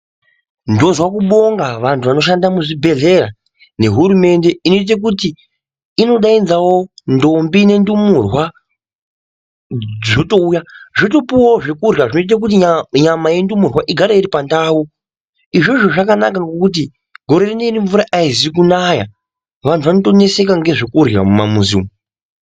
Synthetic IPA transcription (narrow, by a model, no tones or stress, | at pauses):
ndo̞zwakuɓo̞ŋɡaʋantʰuʋano̞ʃandamuʐibʱe̞ɮe̞ɾa | ne̞ɦuɾume̞nde̞ino̞it̬ak̬utiː | no̞ɗainzawo̞ndo̞mbine̞ndumurwa | d͡zo̞to̞ujaʐoto̞puwaʐekurjaʐino̞it̬ak̬utiɲamaje̞ndumurwaʔiɡʱaɾaiɾipandaːwu | iʐo̞ʐoʐakanak̬aŋɡo̞kut̬i | ɡʱo̞ɾe̞rinoiriɱvuɾaʔaizik̬unaːja | ʋantʰuʋanoto̞ne̞se̞kaŋɡe̞ʐekura̰muma̰muzḭm